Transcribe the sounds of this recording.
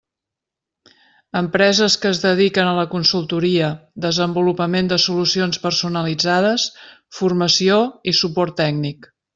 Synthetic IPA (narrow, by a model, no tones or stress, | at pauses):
əmpɾɛzəskəːzðəðikənələkunsulˠt̪uɾiəd̪əzəmbulupəmend̪əsulusionspərsunəlid͡zaðəs | furməsioisupɔrt̪ːɛɡnik